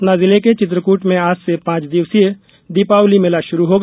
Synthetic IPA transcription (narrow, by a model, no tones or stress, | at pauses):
nazɪleket͡ʃɪt̪̬ɾəkuːʈmẽaːsːepãːt͡ʃd̪ɪʋsie | d̪ipaːwlimɪlaʃʊɾuɦoːɡ